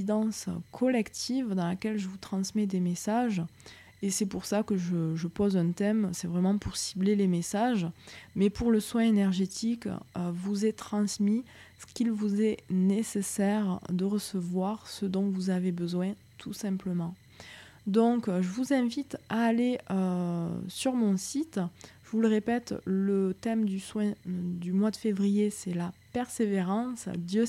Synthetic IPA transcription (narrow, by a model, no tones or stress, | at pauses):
id̪ɑ̃skʰɔlɛkt̪ʰivd̪ɑ̃lakʲɛlʒəvut̪χɑ̃smɛd̪emesaʒ | esɛpuʁsakəʒəʒəpɔzɛ̃t̪ɛmsɛvʁɛmɑ̃puʁsiblelemesaʒmɛpuʁləswɛ̃enɛʁʒet̪ikøvuzɛt̪χɑ̃smi | sə̥kʲilvuzɛnesesɛʁd̪əʁəsəvwaʁsəd̪ɔ̃vuzavebəzwɛ̃ | t̪ʰusɛ̃pləmɑ̃ | d̪ɔ̃kʒəvuzɛ̃vit̪aːleøsyʁmɔ̃sit̪ʒəvuləʁepɛt̪lət̪ɛmd̪yswɛ̃d̪ymwad̪əfevʁijesɛlapɛʁseveʁɑ̃sd̪jø